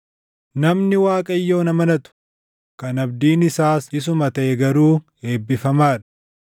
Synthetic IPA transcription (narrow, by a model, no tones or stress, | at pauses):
nɐmnɪwaːkʼɐjːo̞ːnɐmɐnɐt̪ʊ̥ | kɐnɐbd̪iːnɪsaːsɪs̬ʊmɐt̪ɐʔɛɡɐɾuː | e̞ːbːɪfɐmaːᶑɐ̥